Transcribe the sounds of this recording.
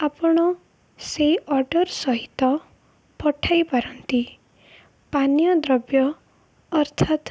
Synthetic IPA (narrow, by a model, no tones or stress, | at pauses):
apɔɽ̃ɔ | seʔɔɾɖɔɾsɔɦit̪ɔ | pɔʈʰajpaɾɔnt̪i | panjɔd̪ɾɔbjɔː | ɾt̪ʰat̪